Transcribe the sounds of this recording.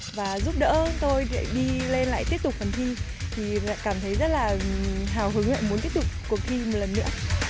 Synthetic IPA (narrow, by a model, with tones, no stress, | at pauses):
vaː˨˩zu˦˥p̚ɗə̰ː˧˥t̪o˧jla̰ː˧˨ɗi˧le˧nla̰ː˧˨jt̪i˦˥əp̚t̪ʊ˨˩k͡p̚fə˨˩nt̪ʰi˧ | t̪ʰi˨˩la̰ː˧˨jkaː˧˩mt̪ʰə˨˦jzə˦˥t̚laː˨˩ɦaː˧˩wɦɨ˨˦ŋla̰ː˧˨mu˨˦nt̪i˦˥əp̚tʊ˨˩k͡p̚ku˨˩ək̚t̪ʰi˧mo˨˩t̚lə˨˩nːɨ̰˧˥ə